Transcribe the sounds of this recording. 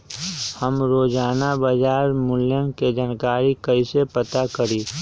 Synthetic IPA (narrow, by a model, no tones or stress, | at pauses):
həmɾoːd͡ʒaːnabəd͡ʒaːɾmʊljənked͡ʒaːnkaːɾikəisepət̪akəɾiː